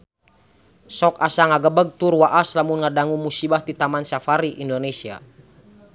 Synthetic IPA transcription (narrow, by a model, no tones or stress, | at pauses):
sɔk̚asaŋaɡəbəɡ̚t̪urwaʔaslamunŋadaŋumusibaht̪it̪amansafaɾiʔindonesia̰